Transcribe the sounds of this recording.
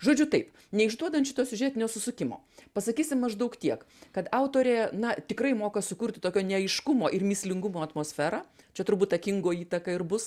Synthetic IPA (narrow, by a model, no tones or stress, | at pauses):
ʒoːd͡ʒʲʊt̪ɐɪp | nʲɛɪʒd̪uɔd̪ɐntʃʲɪt̪oːsʲʊʒʲɛːt̪ʲɪnʲoːsʊsʊkʲɪmo̰ː | pɐsɐkʲiːsʲɪmmɐʒd̪ɐʊkt̪ʲiɛk | kɐt̪ɑʊt̪oːɾʲeːnɐt̪ʲɪkɾɐɪmoːkɐsʊkʊɾʲtʲɪt̪oːkʲoːnʲɛɐɪʃkʊmoːʔɪrmʲɪsʲlʲɪŋɡʊmoːɐt̪moːsʲfʲæːɾɑːt͡ʃʲɛt̪ɾʊɾbuːt̪ɐkʲɪŋɡoːiːt̪ɐkɐɪɾbʊs